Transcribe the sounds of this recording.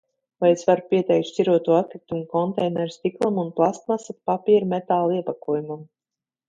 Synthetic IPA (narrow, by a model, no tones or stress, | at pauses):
vajsvaɾpʲiɛt̪ɛjkt̪ʃt͡ʃʲiɾuɔt̪uat̪̚kɾit̪umkɔnt̪ɛjnɛɾst̪iklˠamunplˠast̪masat̪̚papʲiɛɾmet̪aːlˠiɛpakuɔjumam